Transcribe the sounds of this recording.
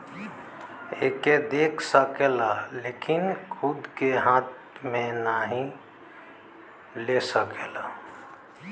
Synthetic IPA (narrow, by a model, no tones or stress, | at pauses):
ḛked̪ekʰsəkelalekinkʰud̪ʱkeɦãt̪̚ | menaɦĩ | lesəkela